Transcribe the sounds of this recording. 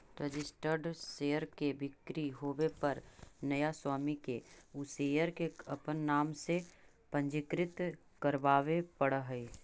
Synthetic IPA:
ɾəd͡ʒɪsʈəɾɖʃeːjəɾkebɪkɾiɦoːʋepɐɾnɐjaswaːmikeʊseːjəɾkeɐpənːaːmse | pə̃ɲd͡ʒɪkɾɪt̪ | kəɾʋaːʋepəɽəɦɛi

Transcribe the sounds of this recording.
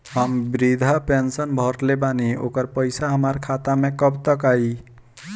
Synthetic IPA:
ɦəmbɾid̪ʱapensənbʱɔɾlebanio̰kəɾpəjsaɦəmaɾkʰat̪amẽkəbt̪əkai

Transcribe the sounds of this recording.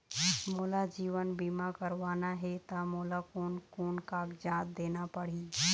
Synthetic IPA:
moːlad͡ʒiːʋənbiːmakəɾʋaːnaɦɛt̪amoːlakoːnkoːnkaːɡd͡ʒãːt̪̚d̪eːnapəɽ̤iː

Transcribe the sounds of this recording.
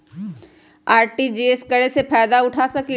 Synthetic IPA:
aːɾʈid͡ʒeːskɐɽesepʰɛːd̪aʊʈʰasɐki

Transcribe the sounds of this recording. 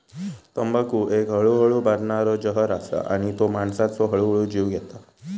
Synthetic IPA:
t̪əmbakuʔekɦəɭuɦəɭubaɾɳaɾəd͡ʑəɦəɾasa̰ʔa̰ɽ̃it̪omaɳsat̪səɦəɭuɦəɭud͡ʑiwɡɛt̪a

